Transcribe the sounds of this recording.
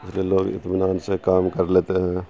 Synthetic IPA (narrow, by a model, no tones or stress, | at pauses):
ɪsliieloːɡɪ̰t̪mɪnaːnsekaːmkəɾleːt̪eɦɛ̃ː